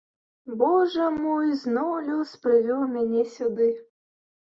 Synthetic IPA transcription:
bɔʐɛmɔjznɔwlʲuspɾɨvʲɔwmʲanʲɛsʲud̪ɨ

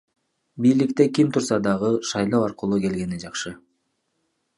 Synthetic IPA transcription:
bijlikt̪e̞kʲimt̪ʰuɾsɑd̪ɑʁɯʃɑjlˠɑwɑɾqɯlˠuːke̞lɡe̞nid͡ʒɑχʃɯ

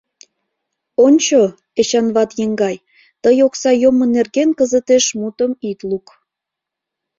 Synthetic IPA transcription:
onʲt͡ɕo | eɕɑnβɑt̪jeŋɡɑj | t̪əjoksɑjomŏnerɣenkəzət̪eʃmut̪əmit̪luk

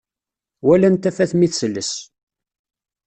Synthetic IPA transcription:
wælænt̪ːæfæθmiθsəlːəs

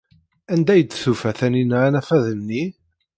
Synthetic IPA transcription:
ænd̪æjəd̪θufæθæninʕanæfæðənːi

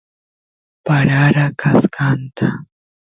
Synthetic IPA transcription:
paɾaɾakaskant̪a

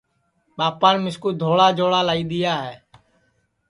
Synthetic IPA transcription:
ɓaːpaːnmɪskuːd̪ʱoːɽaːd͡ʒoːɽaːlaːiːɗ̪ɪjaːɦɛː

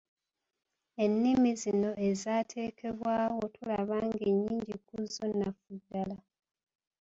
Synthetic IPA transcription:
e̞nːimizino̞ʔe̞zaːtʰe̞ːkʰe̞βwaːwo̞tʰulaβaːŋɡeɲːiːɲɟikuzonːafudːala

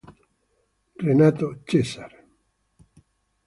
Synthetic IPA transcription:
renat̪ot͡ʃesaɾe

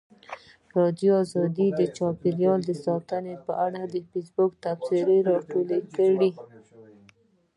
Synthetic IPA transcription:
ɾɑd̪joɑzɑd̪id̪ət͡ʃɑpiɾjɑld̪əsɑt̪ənepəʔaɽad̪əfisbʊkt̪absɪɾeɾɑʈolekəɽi

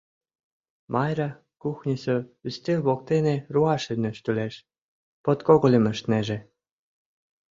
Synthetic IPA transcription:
mʔɑjɾɑ | kuxnʲisøyst̪elβok̚t̪eneruɑʃynɘ̆ʃt̪yleʃ | pot̪koɣolʲemə̆ʃt̪neʒĕ

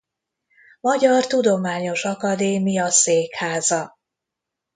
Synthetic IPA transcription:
mɒɟɒrt̪ud̪o̞maːɲo̞ʃɒkɒd̪eːmijɒseːkhaːzɒ

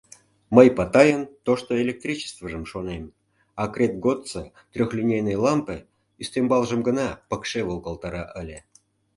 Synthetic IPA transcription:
məjpɑt̪ɑjənt̪oʂt̪oelʲek̚t̪rʲit͡ɕə̥st̪vəʐəmʃonem | ɑkrʲet̪̚ɡot̪t͡sə | t̪rʲoxlʲinʲejnəjlˠɑmpɨ | yst̪embɑlˠʒəmɡə̆nɑpəkʂevolˠkəlˠt̪ɑɾɑʔəlʲe

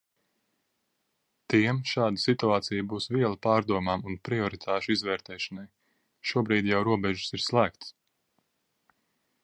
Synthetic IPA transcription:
t̪iɛmʃɑːd̪asit̪uaːt̪sijbuːsviɛlˠapɑːɾd̪uɔmaːmunpɾiɔɾit̪ʰaːʃuizvɛːɾt̪ɛːʃanaj | ʃuɔbɾiːd̪jawɾuɔbɛʒu̥siɾslˠæːkt̪s

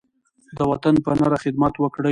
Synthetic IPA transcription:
d̪əwat̪anpənaɾaxɪd̪mat̪wəkɽə

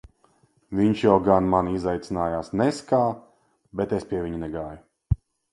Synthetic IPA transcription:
viɲʃjawɡanmanizajt̪sinaːjaːsnɛskaː | bɛt̪espʲiɛviɲunɛɡaːju

